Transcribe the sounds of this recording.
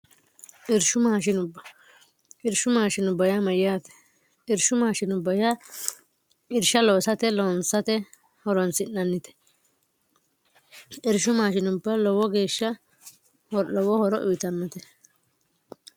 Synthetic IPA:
ʔɪɾʃʊmaːʃɪnʊbːɐ | ɪɾʃʊmaːʃɪnʊbɐjɐmɐjjaːt̪ɛ̥ | ɪɾʃʊmaːʃɪnʊbɐjɐ | ɪɾʃɐlɔwsɐt̪ɛlɔnsɐt̪ɛ | hɔɾɔnsɪnːɐnːɪt̪ɛ̥ | ɪɾʃʊmaːʃɪnʊbːɐlɔwɔɡe̞ːʃːɐ | hɔlɔwɔhɔɾɔʔʊɪt̪ɐnːɔt̪ɛ

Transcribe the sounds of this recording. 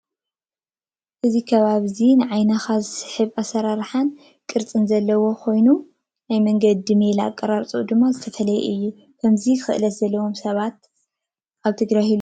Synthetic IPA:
ʔɨzikʰɐβaβzinɨʕajnaxazɨsɨ̥ħɨβasɐɾaɾħan | kʼɨɾt͡sʼɨnzɐlːɐwo̞kʰo̞jnu | najmɐŋɡɐd̪̚ːɨmelaa̰kʼːɐɾaɾt͡sʼud̪ɨmːazɨt̪ʰɐfɐlɐjɛ̰ʔɨjːu | kʰɐmziɨxɨ̰ʔɨlɐt̪zɐlːɐwo̞msɐβat̪̚ | ʔaβt̪ʰɨɡɾahil

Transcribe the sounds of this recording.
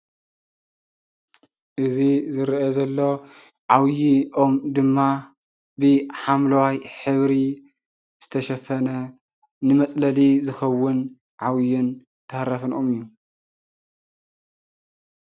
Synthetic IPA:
ʔɨzizɨɾiʔɐzɐlːo̞ | ʕawjiʔo̞md̪ɨmːa | bɨħamlɐwajħɨβɾi | z̥ɨt̪ʰɐʃɐfɐnɐ | nɨmɐt͡sʼlɐlizɨxɐwːɨn | ʕawjɪn | t̪ʰɐhɾɐfɨnʔomɨjːu

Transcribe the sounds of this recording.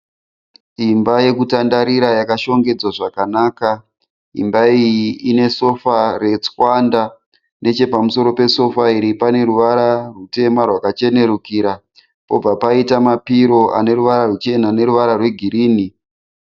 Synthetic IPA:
imbaje̞kutandaɾiɾajakaʃo̞ŋɡe̞d͡zwaʐakanaːka | ḭmbaijiine̞so̞fare̞t͡swanda | ne̞t͡ʃe̞pamuso̞ɾo̞pe̞so̞faiɾipane̞ɾuʋaɾarute̞marwakat͡ʃe̞ne̞ɾukiɾa | po̞b͡vapaitamapiɾo̞ʔa̰ne̞ɾuʋaɾarut͡ʃe̞nane̞ɾuʋaɾarwe̞ɡʱiɾiːni

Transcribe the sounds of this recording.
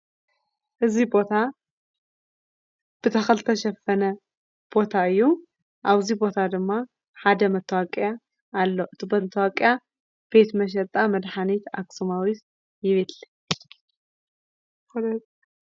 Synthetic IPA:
ʔɨzibo̞t̪ʰa | b̥ɨt̪ʰɐxɐlt̪ʰɐʃɐfːɐnɐ | b̥o̞t̪ʰaɨjːu | ʔaβzibo̞t̪ʰad̪ɨmːa | ħad̪ɐmɐt̪ʰːɐwakʼːjaː | lːoʔɨt̪ʰibɐmɐt̪ʰːɐwakʼja | b̥e̞t̪mɐʃ̬ɐɾt̪ʼamɐd̪ħanit̪a̰ksumawit̪ | jɪβet̪lɐ | l

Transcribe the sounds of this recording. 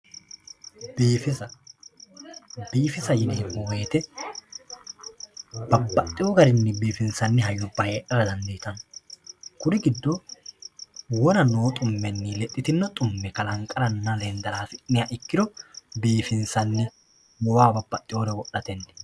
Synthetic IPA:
biːfɪsɐ | biːfɪsɐjɪneːʔoːeːt̪ɛ | b̥ɐbːɐt̪ʼːɪjoːɡɐɾɪnːɛbiːfɪnsɐnːɛɦɐjːʊbɐheːʔɐɾɐd̪ɐnd̪ejt̪ɐnɔ | kʊnɪɡɪd̪ːo | wɔnɐno̞ːt̪ʼʊmːɛnːiːlɛt̪ʼːɪt̪ɪnːɐt̪ʼʊmːɛkɐlɐŋkʼɐɾɐnːɐlend̪ɐɾaːsɪnːɪjaʔɪkːɪd̪ɔbiːfɪnsɐnːɛ | wɔwaːbɐbːɐt̪ʼːɪjoːɾɛwɔʔːɐt̪ɛnːɛ

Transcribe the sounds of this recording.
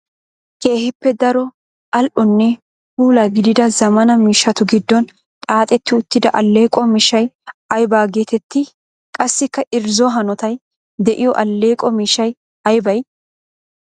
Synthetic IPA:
ke̞ːhɪpːɛd̪ɐɾɔ | ɐlʔʊnːɛ | huːlaɡɪd̪ɪd̪ɐzɐmɐnɐmiːʃːɐt̪ʊɡɪd̪ːɔn | t̪ʼaːt̪ʼɛt̪ːɪʊt̪ːɪd̪ɐʔɐlːe̞ːkʼɔmɪʃɐjɐjbaːɡeːt̪ɛt̪ːɪ | kʼɐsːɪkːɐʔɪɾzɔɦɐnɔt̪ɐj | d̪ɛʔɪjɔʔɐlːeːkʼɔmiːʃɐj | ɐjbɐj

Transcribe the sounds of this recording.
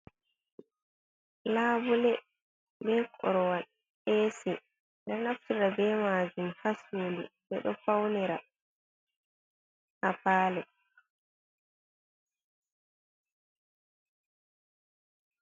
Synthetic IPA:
laːbulɛ | bɛːkʰɔ̰ɾɔwa | ɛːsi | ndɛɾnaftiɾabɛmaːd͡ʒumhasuːlḭbɛɗɔfawnɛɾa | hapaːlɛ

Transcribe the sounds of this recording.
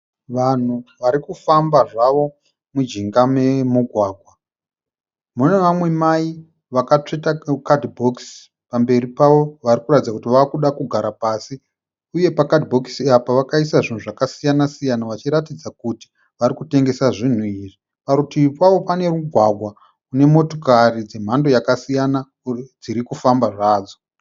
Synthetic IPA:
ʋan̤uʋaɾikufambaʐaʋo̞ | mud͡ʒiŋɡame̞muɡʱwaːɡʱwa | mune̞ʋamwe̞mai | ʋakat͡ʂetakadbʱoks | pambe̞ripaʋo̞ʋaɾikuratid͡zakutiʋakuɗakuɡʱaɾapaːsi | uje̞pakadibʱoksiapaʋakaisaʐin̤uʐakasijanasijanaʋat͡ʃiɾatid͡zakuti̥ | ʋaɾikute̞ŋɡe̞saʐin̤uiːri | paɾutipwaʋo̞pane̞ɾuɡʱwaɡʱwa | une̞mo̞tokarid͡ze̞m̤ando̞jakasijana | d͡ziɾikufambaʐaːd͡zo

